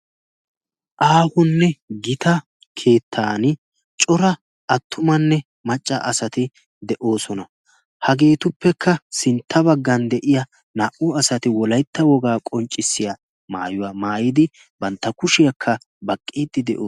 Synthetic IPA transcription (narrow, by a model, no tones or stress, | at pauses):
ʔaːhʊnːɛɡɪt̪ɐ | kʰe̞ːt̪ʰːaːnɪ | t͡ʃʼɔɾɐ | ɐt̪ːʊmɐnːɛ | mɐt͡ʃʼːɐ̰ʔɐsɐt̪ɪ | d̪ɛʔo̞ːsɔnɐ | hɐɡe̞ːt̪ʊpːɛkʰːɐsɪnt̪ʰːɐbɐɡːɐnd̪ɛʔɪjɐ | naːʔʊɐsɐt̪ɪwɔlɐjt̪ːɐwɔɡaːkʼɔnt͡ʃʼːɪsːɪjɐ | maːjʊwamaːjɪd̪ɪ | bɐnt̪ːɐkʊʃɪjɐkʰːɐ | bɐkʼːiːd̪ɪd̪ɛ̰ʔoː